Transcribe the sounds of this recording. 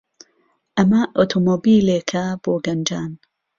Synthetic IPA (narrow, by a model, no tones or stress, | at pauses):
ʔɐmɐʔot̪ʰomobiːleːkʰɐb̥oːɡɐnd͡ʒaːn